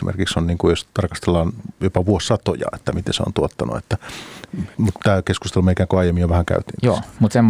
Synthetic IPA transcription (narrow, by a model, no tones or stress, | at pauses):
imʔḛrkiksonniːŋkujost̪ɑrkɑst̪elːɑːnjopɑʋuosːɑt̪o̰jɑ̰et̪ːæmit̪ḛnseo̰nt̪uot̪ːɑnṵet̪ːæ | mut̪t̪æːkeskust̪elumeikæːŋkoɑijemːijjoʋæhæŋkæ̰yt̪ḭːnj̪oːmut̪semː